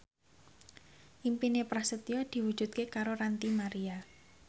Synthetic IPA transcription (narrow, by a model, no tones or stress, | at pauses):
ʔimpinepɾahsət̪iɔd̪̥i̤wu̥ʒ̥ṳt̪̚kekaɾoɾant̪imaɾia